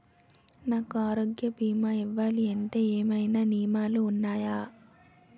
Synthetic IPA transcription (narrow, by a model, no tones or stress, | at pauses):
naːkuaːɾoːɡjɐbiːmaːiʋːaːliɐɳʈe̞ːeːmɐjnaːniːmaːluːnːaːjaː